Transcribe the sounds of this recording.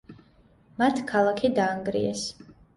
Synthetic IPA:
mat̪ʰkʰalˠakʰid̪aːŋɡɾḭɛs

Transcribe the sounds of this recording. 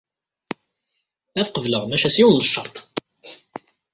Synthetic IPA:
æθqəvləʁmæʃæsiwnəʃːɑ̰ɾt̪ˤ

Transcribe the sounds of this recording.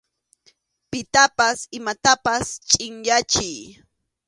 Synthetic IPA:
pɪt̪apasɪmat̪apast͡ʃʼɪŋʎat͡ʃɪj

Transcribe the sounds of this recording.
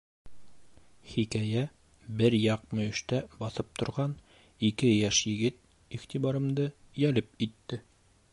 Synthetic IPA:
χikæjæ | bɘɾjɑq̚mɵ̆ɵ̆ʃt̪æbɑθɤp̚t̪ŏɾʁɑn | ikɘjæʃjɘ̆ɡɘt̪̚ | iχt̪iβɑɾɤ̆md̪ɤ | jælɘp̚it̪ːɘ

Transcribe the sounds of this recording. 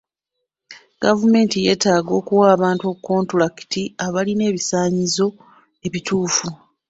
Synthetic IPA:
ɡ̥avume̞ːntije̞ːtaːɡo̞ːkuwaːβaːntuo̞kuko̞ːntulaki̥tʰiaβaline̞ːβisaːɲizo̞ | e̞βitʰuːfu

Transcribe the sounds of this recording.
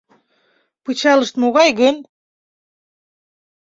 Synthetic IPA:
pɯt͡ɕɑlə̆ʃt̪moɣɑjɣɘ̆n

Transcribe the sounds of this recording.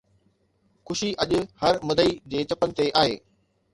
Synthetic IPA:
xʊʃiʔɐʄʊ̆hɐɾmɐd̪ʱəid͡ʑeːt͡ɕɐpənɪ̆t̪eʔaːɦḛː

